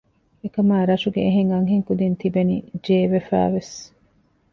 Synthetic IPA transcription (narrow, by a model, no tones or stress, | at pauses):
ekɐmaːɾɐʃuɡeːɦeŋɐŋɦeŋkud̪int̪ibenḭd͡ʒeːʋefæ̰ːʋes